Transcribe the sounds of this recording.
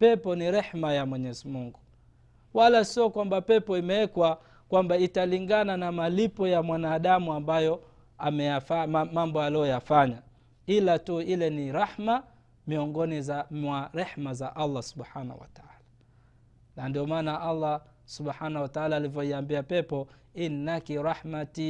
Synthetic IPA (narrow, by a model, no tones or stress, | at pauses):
pɛpɔniɾɛħmajamwɛɲɛzimuŋɡu | walasiɔkwambapɛpɔimɛɛkwa | kwambaitaliŋɡananamalipɔjamwanaːɗamuambajɔ | amɛjafamambɔaliɔjafaɲa | ilatuilɛniɾaħma | miɔŋɡɔnizawaɾɛħmazaʔalˠˤːasuɓħana̰hṵwa̰taala | nandiɔmaːnaʔalːa | suɓħanahwataalaːlivjɔiambiapɛpɔ | inːakiɾaħmati